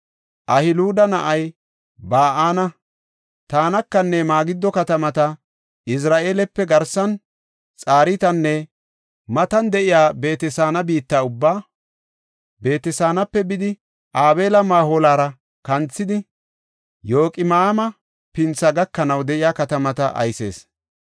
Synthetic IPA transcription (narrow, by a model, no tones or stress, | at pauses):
ʔɐhɪluːd̪ɐnɐʔɐj | baːʔaːnɐ | t̪aːnɐkːɐnːɛmaːɡɪd̪ːɔkɐt̪ɐmɐt̪ɐ | ʔɪs̬ɾaːʔe̞ːlɛpːɛɡɐɾsɐn | t͡sʼaːɾɪt̪ɐnːɛ | mɐt̪ɐnd̪ɛʔɪjaːbe̞ːt̪ɛsaːnɐbiːt̪ːaːʊbːaː | be̞ːt̪ɛsaːnɐpːɛbɪd̪ɪ | ʔaːbe̞ːlɐmaːhoːlaːɾɐ | kɐnt͡sːɪd̪ɪ | jo̞ːkʼɪmaːmɐ | pɪnt͡sːɐɡɐkːɐnɐwd̪ɛʔɪjaːkɐt̪ɐmɐt̪ɐʔɐ̰jse̞̰ːs